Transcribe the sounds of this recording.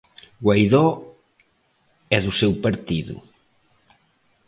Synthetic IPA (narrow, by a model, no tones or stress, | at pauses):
ɡwajðɔ | ɛðusewpaɾt̪iðṵ